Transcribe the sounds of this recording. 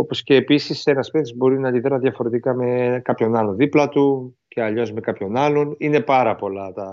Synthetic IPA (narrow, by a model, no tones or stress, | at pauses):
opo̞sce̞ːpisisenɐspeθizbo̞ɾinɐnd̪iθeɾɐðʝɐfo̞ɾe̞t̪ikɐme̞kɐpço̞nɐlo̞nðiplɐt̪uce̞ɐʎo̞zme̞kɐpço̞nɐlo̞nine̞pɐɾɐpo̞lɐt̪ɐ